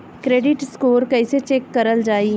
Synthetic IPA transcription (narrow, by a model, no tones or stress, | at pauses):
kɾeːɖɪʈskoːɾkɐiset͡ʃeːkːɐɾəld͡ʒaːi